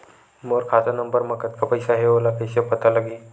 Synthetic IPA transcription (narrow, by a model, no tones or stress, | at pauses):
moɾkʰat͡sanəmbəɾməkət̪̚kapəjsaɦeʋolakʰəɕapət̪ʰaləɡiː